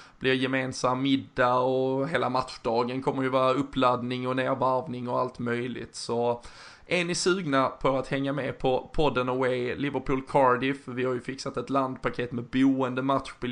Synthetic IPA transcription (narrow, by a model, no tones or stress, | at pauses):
b̥lɪɾjɛmeːnsamːɪd̪ːaɔɦeːlamat̪ɧɖɑːɡənkʰɔmːəɾjɵvɑːɾaɵpːlad̪nɪŋɔneːɾvæɾvnɪŋɔalt̪mœjlɪ̰t̪sɔ | ʔɛnɪsʉ̟ːɡnapʰɔat̪hɛŋːamɛpʰɔpʰɔd̪ːənɔwelɪvəɾpʰuːlkʰɑɾd̪ɪfvɪhaɾjɵfɪksat̪ɛt̪land̪pakʰeːt̪mɛbuːənd̪əmat̪ɧbɪ